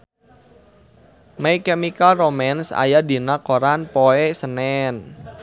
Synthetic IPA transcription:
mɛkɛmikalromɛnsa̰jadi̤nakoɾanpoɛsənɛn

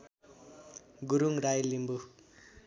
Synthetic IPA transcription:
ɡuɾuŋɾajlimbu

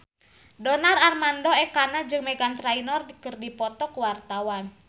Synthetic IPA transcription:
dɔnararmandɔɛkanad͡ʒɨŋmɛɡant̪ɾainɔrdikərdipɔt̪ɔkuwart̪awan

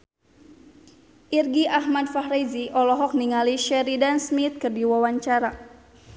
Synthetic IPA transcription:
ʔirɡiʔahmadfahɾeziʔɔlɔɦɔk̚niŋaliʃɛɾidansmit̪̚kɨrdiwawaɲt͡ʃaɾa

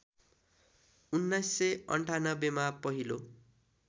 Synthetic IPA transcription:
unːajsːʌjʌ̰ɳʈʰanʌbemapʌɦilo

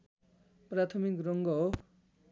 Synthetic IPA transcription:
prat̪ʰʌmikrʌŋɡʌɦo

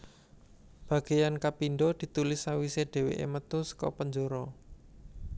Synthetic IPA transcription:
b̥ä̤ɡ̥e̤jankapinɖɔd̪̥i̤t̪ulɪsawiseɖ̪̥e̤wḛʔḛmət̪ʊskɔ̰pəɲd͡ʒoɾɔ

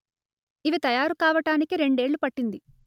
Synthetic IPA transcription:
iʋit̪ɐjaːɾukaːʋɐʈaːnikiɾe̞ɳɖe̞ːɭːupɐʈːind̪i

